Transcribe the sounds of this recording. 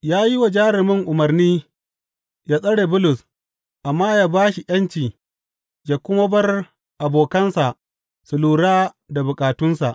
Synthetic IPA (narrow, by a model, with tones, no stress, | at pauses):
jaː˦ji˦wa˨d͡ʒaː˦ɾɪ˨mɪ˦ŋʔʊ˨mɐ˨rniː˦ | jaː˦sʼɐ˦ɽeː˨bʊ˦lʊ˨s | ʔa˨mːaː˦jaː˦baː˦ʃi˨ʔɐ˦nt͡ʃiː˨ | d͡ʒa˨kʷʊ˦mɐ˦bɐ˦r | ʔa˨boː˨kɐ˦nsa˨ʔ | sʊ˨luː˦ɽaː˦ | da˨bʊ˨kʼaː˨tʊ˦nsa˨ʔ